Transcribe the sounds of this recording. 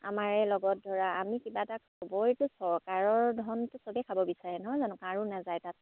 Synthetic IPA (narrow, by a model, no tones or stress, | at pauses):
a̰maɹɛlɔɡɔt̚dʱɔɹaamikibataksɔbɔjtʊsɔɹkaɹɔɹdʱɔntʊsobɛkʰabɔbisaɹɛnɔɦɔjzanʊkaɹunazajtat̚